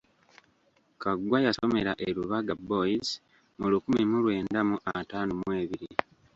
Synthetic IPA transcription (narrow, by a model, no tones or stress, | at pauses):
kaɡwajaso̞me̞ɾaʔeɾuβaɡabo̞iz | mulukumimulwe̞ːndamuʔataːnumwe̞ːβiɾi